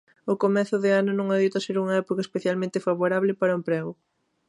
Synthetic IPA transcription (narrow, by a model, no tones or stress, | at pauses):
ʊkomɛθʊðɪanʊnõŋaðit̪ɐseɾuŋɐɛpokɐespeθjalmẽnt̪ɪfaβoɾaβlɪpaɾɐumpɾɛɣʊ